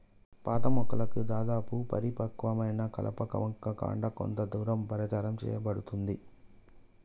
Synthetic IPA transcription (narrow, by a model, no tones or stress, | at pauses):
paːt̪ɐmɔkːɐlɐkud̪aːd̪aːpupɐɾipɐkʋɐmɐjnɐkɐ̰lʔɐ̰pɐkɐ̰ʋɐŋkːɐka̰ːɳɖɐko̰nt̪ɐd̪uːɾɐmpɐɾɐt͡ʃaːɾɐmt͡ʃɛ̰ːjɐbɐɽut̪und̪i